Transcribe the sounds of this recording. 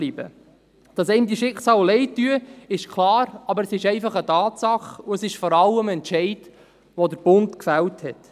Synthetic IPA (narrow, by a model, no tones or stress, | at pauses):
libə̰ | d̥ɑsɛɪmd̪iəʃɪksɑːllɛɪtːyəɪʃkʰlɑːɾɑbəɾəsɪʃɛɪfɑχətɑːtsɑχʊəsɪʃfɔɾɑlːəmɛntʃɛɪd | ʋɔdəɾb̥ʊntkfælthɛt